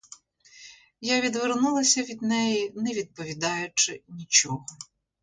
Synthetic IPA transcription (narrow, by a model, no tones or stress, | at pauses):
jaʋʲid̪ʋernulˠɐsʲɐʋʲid̪nɛjinɛʋʲid̪̚pɔʋʲid̪ɑjʊt͡ʃɪnʲit͡ʃɔɦɔ